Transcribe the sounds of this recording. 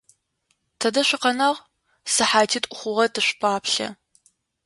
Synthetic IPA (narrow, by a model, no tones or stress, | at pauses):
tʰɐdɐɕʷɪqɐnɐʁ | sɨħaːtʰiːtʼʷʊχʷʊʁɐdɨɕʷpʰaːpɬɐ̰